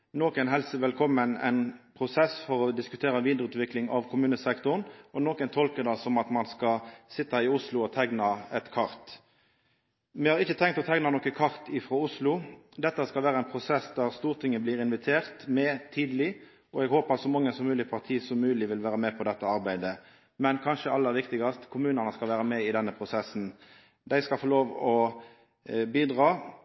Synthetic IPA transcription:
noːkənɦɛlsəʋɛlkʰɔmːənɛ̰ɪnpʰʁʊsɛsfɔɾɔd̪ɪskʉt̪ʰeːɾɑʋiːd̪ʁəʉːt̪ʋɪklɪŋɑʋkʰʊmʉːnəsɛkt̪ʊʁnɔnɔːkənt̪ʰɔlkəd̪ɑsɔmɑt̪mɑnskɑsɪt̪ːɑɪʊslʊɔt̪ʰɛɡnɑɛt̪kʰɑɾt̪ | mɛhɑʁɪçːət̪ʰɛŋkt̪ɔt̪ʰɛɡnɑnɔkəkʰɑʁt̪ɪfʁoːʊslʊ | d̪ɛt̪ːəskɑlʋæːɾəɛnpʰʁʊsɛsd̪æʁst̪uːʁt̪ʰɪŋːəbliːɾɪnʋɪt̪ʰeːʁt̪mɛt̪ʰiːd̪əlɪ | ɔɛɡhoːpɑt̪sɔmɑŋːəsɔmːʉːlɪpʰɑʁt̪ʰiːsɔmːʉːlɪʋɪlʋæːɾəmɛpʰɔd̪ɛt̪ːəɑʁbæɪd̪ə | mɛnkʰɑnʃəɑlːəʋɪkt̪ɪɡɑst̪kʰʊmʉːnəʁnəskɑlʋæːɾəmɛɪd̪ɛnːəpʰʁʊsɛsːn̩ | d̪æɪskɑlfoːloːʋɔ | biːd̪ʁɑː

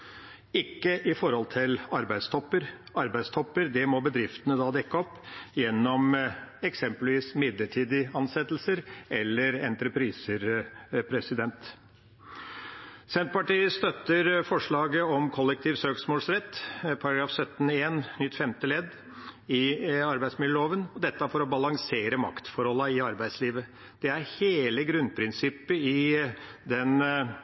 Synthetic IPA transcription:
ɪkːəʔɪfɔɾhɔlt̪ʰɪlɑɾbæɪd̪st̪ʰɔpːəɾɑɾbæɪd̪st̪ʰɔpːəɾd̪ɛmɔbəd̪ɾɪft̪ənəd̪ɑːd̪ɛkːəɔpːjɛnːɔmɛksɛmpəlʋiːsmɪd̪ləʈʰiːd̪ɪɑnsɛt̪ːlsəɾʔɛlːəɾɛnt̪ɾəpʰɾiːsəɾpʰɾɛsɪd̪ɛnt̪ | sɛnt̪̚pɑʈiːəst̪œt̪ːəɾfɔʂɭɑːɡəɔmkʰɔlːɛk̚t̪ʰiːʋsøːksmoːlsɾɛt̪ːpʰɑɾɑɡɾɑːfsœt̪ːn̩eːnnʏt̪ːfɛmt̪əlɛd̪ | ɪɑɾbæɪsmɪləɭoːʋənɔd̪ɛt̪ːəæfɔɾɔbɑlɑŋseːɾəmɑ̰kt̪fɔɾɔlːɑɪɑɾbæɪd̪sliːʋə | d̪̥ɛæɾheːləɡɾʉnd̪pʰɾɪnsɪpːəɪ | d̪ɛn

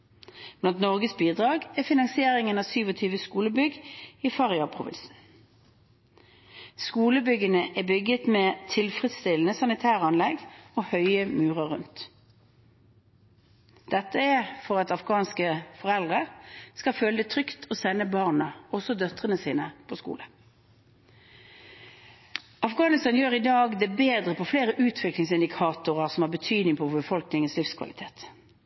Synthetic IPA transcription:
mt̪nɔʁɡəsbiːd̪ʁɑːɡæfɪnɑŋsɪeːʁɪŋənɑsyːʋɔt̪ʰyːʋəskuːləbʏɡiːfɑʁɪɑpʰʁʊʋɪ̰nsn̩ | skuːləbʏɡənəʔæːbʏɡət̪meːt̪ʰɪlfʁɛt̪st̪ɪln̩əsɑnɪt̪ʰæːʁəɑnlɛɡoːhœʏəmʉːʁɑʁːʉnt̪ | d̪̥ɛt̪ːəæfɔʁɑt̪ɑfɡɑːnskəfɔʁɛld̪ʁəskɑføːləd̪ɛt̪ʰʁʏkt̪ʰɔsɛnːəbɑːʁnəɔsɔd̪œt̪ʁənəsiːnəpʰɔskṵːlə | ɑfɡɑːnɪst̪ɑːnjøːʁɪd̪ɑːɡd̪ɛbeːd̪ʁəpʰɔfleːʁəʔʉːt̪ʰʋɪklɪŋsɪnd̪ɪkʰɑːt̪ʊʁɑʁsɔmhɑʁbət̪ʰyːd̪nɪŋpʰɔbəfɔlknɪŋənslɪfskʰʋɑ̰lɪt̪ʰeːt̪

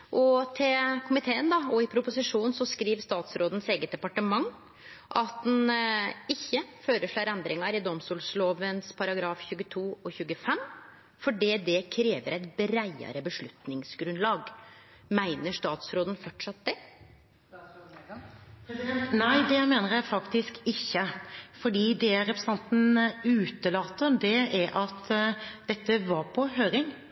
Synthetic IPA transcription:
ʔɔt̪ʰɪlkʰʊmɪt̪ʰeːənd̪ɑɔɪpʰɾʊpʊsɪʂuːnsɔskɾiːʋst̪ɑːt̪sɾoːd̪n̩seːɡət̪̚d̪ɛpɑʈəmɑŋː | ʔɑt̪̚d̪nɪçːəføːɾəʂɭæɾɛnd̪ɾɪŋɑɾɪd̪ɔmst̪uːlsloːʋənspʰɑɾɑɡɾɑːfçʉːɡət̪ʰuːɔçʉːɡəfɛm | fɔɖiːd̪ɛkʰɾeːʋəɾæɪt̪̚bɾæɪə̰ɾəbəʂɭʉt̪nɪŋsɡɾʉnd̪lɑːɡ | mæɪnəʂt̪ɑːt̪sɾoːd̪ən̩fɔʈʂɑt̪̚d̪ɛ | næɪd̪ɛɪmeːnəɾjæɪfɑkt̪ɪskɪçːəfɔɖiːd̪ɛæɾɛpɾəsəɑnt̪n̩ʉːt̪əlɑːt̪ːəd̪ɛæɾʔɑt̪d̪̥ɛt̪ːəʋɑɾpʰɔɦøːɾɪŋ

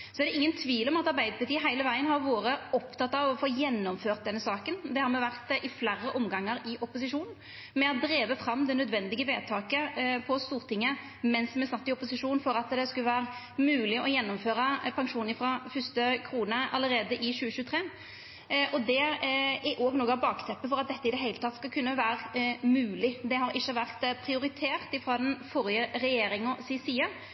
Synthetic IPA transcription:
sɔæɾd̪ɛʔɪŋːənt̪ʰʋiːlɔmɑt̪ɑʁbæɪd̪əpʰɑt̪iːəɦæɪləʋæɪənɦɑɾʋoːɾəɔpt̪ʰɑt̪ːɑʋɔfoːjɛnːɔmføːʁt̪̚d̪ɛnːəsɑːkənd̪ɛhɑɾmɛʋæʁt̪ʔɪflæɾːəʔɔmɡɑŋːəɾɪʔɔpʊsɪʂuːnn̩ | mɛɑt̪d̪ɾeːʋəfɾɑmːd̪ɛnœd̪ʋɛnd̪ɪɡəʋḛːt̪ʰɑːkəpʰɔst̪uːʁt̪ʰɪŋːə | mɛnsmɛsɑt̪ːɪɔpʊsɪʂuːnfɔɾɑt̪d̪ɛskʉləʋæːɾə | mʉːlɪɔjɛnːɔmføːɾəpʰɑŋʂuːnəfʁɑfʏst̪əkʰʁuːnəʔɑlːəɾeːd̪əʔɪɕʉːəʃʉːt̪ʰʁeː | ʔɔd̪ɛæʔoːɡnoːɡəɑʋbɑːkt̪ʰɛpːəfɔɾʁɑt̪̚d̪ɛt̪ːəɪd̪ɛɦeɪlət̪ʰɑt̪ːskɑlkʰʉnːəʋæːʁmʉːlɪd̪ɛɦɑɾɪʃːəʋæʁt̪pʰɾɪʊɾɪt̪ʰeːʁt̪ɪfɾɑːd̪ɛnfɔɾɪjəɾɛjeːɾɪŋɔsɪsiːə

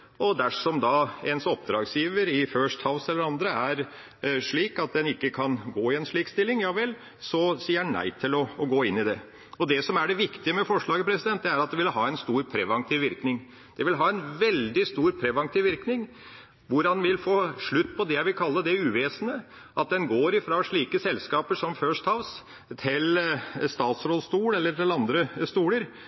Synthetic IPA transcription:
ɔd̪æʂɔmd̪ɑɛnsɔpd̪ɾɑːɡsjiːʋəɾɪføʂt̪hɑʊsɛlːəɾɑnd̪ɾəæɾ | ʂɭiːkɑt̪̚d̪ɛnɪkːəkʰɑnɡoːɪɛnʂɭiːkst̪ɪlːɪŋjɑːʋɛlː | sɔsiːənæ̰ɪt̪ʰɪlɔɡoːɪnːɪd̪ɛ | ɔd̪ɛsɔmæɖɛʋɪkt̪ɪəmɛfɔʂɭɑːɡəpʰɾɛsɪd̪ɛnt̪̚d̪ɛæɾɑt̪̚d̪ɛʋɪlhɑːɛnst̪uːɾpʰɾɛʋɑŋt̪ʰiːʋɪɾknɪŋ | d̪̥ɛʋɪlɦɑːɛnʋɛld̪ɪst̪uːɾpʰɾɛʋɑŋt̪ʰɪʋɪɾknɪŋ | ʋʊɾɑnʋɪlfoːʂɭʉt̪ːpʰɔd̪ɛjæɪʋɪlkʰɑlːəd̪ɛʉːʋeːsənə | ʔɑt̪̚d̪ɛnɡoːɾɪfɾɑʂɭiːkəsɛlskɑːpəʂɔmføːʂt̪ʰɑʋs | t̪ʰɪlst̪ɑːt̪sɾɔlst̪uːlɛlːəʈɪlɑnd̪ɾəst̪uːləɾ

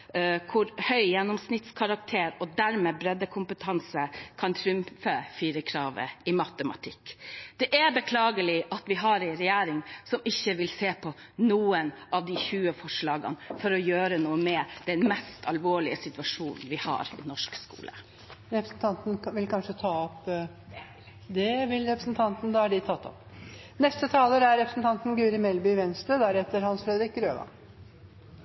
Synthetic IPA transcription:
kʰʊɾhœʏjɛnːɔmsnɪt̪skʰɑɾɑk̚t̪ʰeːɾɔd̪æɾmeːbɾɛd̪ːəkʰʊmpət̪ʰɑnsəkʰɑnt̪ʰɾʉmfəfiːɾəkʰɾɑːʋə̰ɪmɑt̪əmɑ̰t̪ʰɪkːd̪̥ɛʔæbəkʰlɑːɡəlɪʔɑt̪ʋɪɦɑɾɛɪɾɛjæːɾɪŋsɔmɪçːəʋɪlseːpʰɔ | nuːənʔɑʋd̪ɪçʉːəfɔʂɭɑːɡə̰nfɔɾɔjøːɾənuːəmɛd̪̥ɛnmɛst̪ʰɑlʋoːɭɪəsɪt̪ʋɑʂuːnn̩ʋɪhɑ̰ːɾɪ̰nɔʂkskṵːlə̰ | ɾɛpɾəsn̩t̪ʰɑnt̪n̩ʋɪlkʰɑnʂət̪ʰɑːɔp | d̪ɛʋɪlɾɛpɾəsn̩t̪ʰɑnt̪nəd̪ɑːæɖɪt̪ʰɑt̪ːɔ̰p | nɛst̪ət̪ʰɑːləɾæɾɾɛpɾəsn̩t̪ʰɑnt̪n̩ɡʉːɾɪmɛlbʏʋɛnst̪ɾəd̪æɾhɛt̪ːəɾhɑnsfɾɛd̪əɾɪk̚ɾøːʋɑ̰n

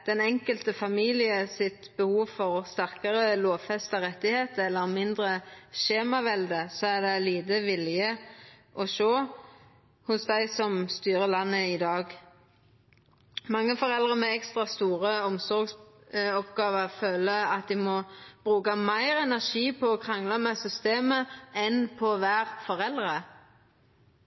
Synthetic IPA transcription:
d̪̥ɛnɛŋkəlt̪əfɑmiːlɪəsɪt̪bəhuːʋfɔʁst̪æɾkəʁəloːʋfɛst̪əʁɛt̪ːɪheːt̪əɛlːəɾmɪnd̪ʁəʃeːmɑʋɛld̪əsɔæʁd̪ɛliːd̪əʋɪljəʔɔʃoː | hʊsd̪æɪsɔmst̪yːɾəlɑnːəɪd̪ɑːɡ | mɑŋːəfɔʁɛld̪ʁəmɛɛkst̪ʁɑst̪uːʁəɔmsɔɾɡsɔpɡɑːʋəʁføːləɑt̪̚d̪ɪmɔb̥ʁʉːkɑmæɪʁɛnæʁʂiːpʰɔːkʰʁɑŋlɑmɛsʏst̪eːməɛnpʰɔʋæːʁfɔʁɛld̪ʁə

